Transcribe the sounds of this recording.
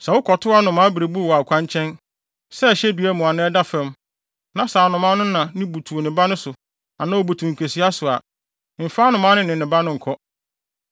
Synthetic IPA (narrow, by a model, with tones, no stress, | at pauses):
sa˨wʊ˦kʰɔ˨tʰʊ˦a˦nʊ̃˨mã˦bɾe˨bu˦˨wɔ˨a˨kʷʰã˦ɲ˦t͡ɕʰɛ̃˦n | sɛ˦˨ɕɛ˦dɥɛ˦mʊ̃˨a˨nɪ̃˦ɛ˦da˦fɛ̃˦m | nã˨saː˨nʊ̃˨mã˦nʊ̃˦nã˨nɪ̃˦bu˨tʰu˨o˨nɪ̃˨ba˦nʊ̃˦sʊ˨ | a˨nã˦wɔ˨bu˨tʰũ˨ŋ̩˨kʰe˨si˦a˦sʊ˨a˨ | m̩˨faː˦nʊ̃˨mã˦nɪ̃˦nɪ̃˨nɪ̃˨ba˦nʊ̃˦ŋ̩˨kʰɔ˦